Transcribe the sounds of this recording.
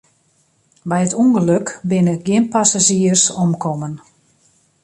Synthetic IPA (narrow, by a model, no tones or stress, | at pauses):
bɛjətuŋɡəløkbɪnəɡjɪnpasaʒiərsɔmkʰɔmən